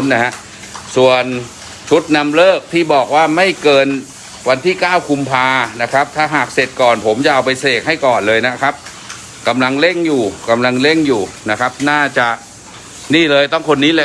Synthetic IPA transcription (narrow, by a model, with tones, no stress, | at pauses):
nːa˦˥ɦa˦˥ʔ | su˨˩ən | t͡ɕʰu˦˥t̪̚na˧mlɤː˥˩k̚t̪ʰiː˥˩bɔː˨˩k̚waː˥˩ma˥˩jkɤː˧n | wa˧nt̪ʰiː˥˩kaː˥˩wkʰu˧mpʰaː˧na˦˥kʰa˦˥p̚t̪ʰaː˧˩ɦaː˨˩k̚se˨˩t̪̚kɔː˨˩npʰo˩˦mt͡ɕa˨˩ʔa˧wpa˧jseː˨˩k̚ha˥˩jkɔː˨˩nlɤː˧jna˦˥kʰa˦˥p̚ | ka˧mla˧ŋle˥˩ŋjuː˨˩ka˧mla˧ŋle˥˩ŋjuː˨˩na˦˥kʰa˦˥p̚naː˥˩t͡ɕa˨˩ʔ | niː˥˩lɤː˧jt̪ɔ˥˩ŋkʰo˧nːiː˦˥le˧